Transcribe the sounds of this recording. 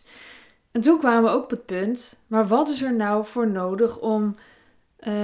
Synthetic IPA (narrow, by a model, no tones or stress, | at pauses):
ɛntunkʋaːməʋəowkɔpət̚pɵntmaːɹʋɑtɪsɛɹnawvʊːɹnowdəχɔm